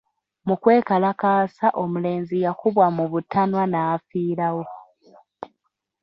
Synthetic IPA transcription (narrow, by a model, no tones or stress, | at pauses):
mukwe̞ːkalakaːsaʔomule̞ːnzijakuβwamuβutʰanwanaːfiːɾawo̞